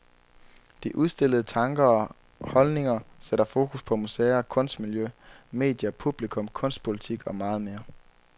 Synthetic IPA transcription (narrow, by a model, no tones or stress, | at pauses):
d̥iʔuðˠsd̥e̝l̰əð̞̩ˠət͡sʰɑ̈ŋɡ̥ɐɒ | hɒ̽lne̝ŋɐseɾɐfo̝ːkʰuspʰɒ̽museːɐkʰɔ̽n̰sd̥miljøme̝̰ːd̥jɐpʰub̥likʰɔ̽mkʰɔ̽n̰sd̥̚pʰo̝lit͡sʰiɡ̥ɒ̽mɑ̈ːð̞̩ˠme̝ːɐ